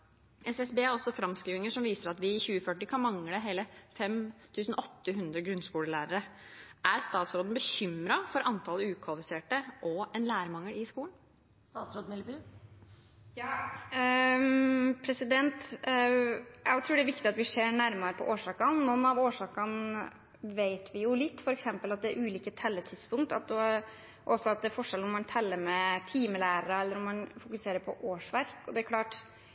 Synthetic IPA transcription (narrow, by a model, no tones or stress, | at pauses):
ʔɛsɛsbeːæɾɔsːɔfɾɑmskɾiːʋɪŋəʂɔmʋiːsəɾɑt̪ʋɪçʉːəfœʈːɪkʰɑnmɑŋləɦeːləfɛmt̪ʰʉːsn̩ʔɔt̪ːəɦʉnd̪ɾəɡɾʉnskuːləlæːɾəɾəʔæɾst̪ɑːt̪sɾoːd̪n̩bəçʏmɾɑfɔɾɑnt̪ʰɑləʉːkʰʋɑlɪfɪseːʈəʔɔɛnlæːɾəmɑŋːəlɪskuːləɳn̩ | st̪ɑːt̪sɾoːd̪mlːby | pʰɾɛsɪd̪ɛnt̪ | jæɪt̪ʰɾʉːɖɛæɾʋɪkt̪ɪɑt̪ʋɪʂeːɾɳæɾmɑɾəpʰɔ̰ʔoːʂɑːkɑnnɔnɑʋoːʂɑːkɑn | ʋeɪt̪ʋɪjʊlɪt̪ːfɔɾɛksɛmpəlɑt̪̚d̪ɛːɾʔʉːliːkət̪ʰɛlːət̪ʰɪd̪spʊŋk̚t̪ɑt̪ | ʔɔsːɔɑt̪̚d̪ɛæɾfɔʂɛlɔmːɑnt̪ʰɛlːəɾmɛt̪ʰiːməlæːɾəɾɑɛlːəɾɔmːɑnfʊkʉseːɾəɾpʰɔ̰ʔoːʂʋæɾkɔd̪ɛæɾkʰlɑːʈ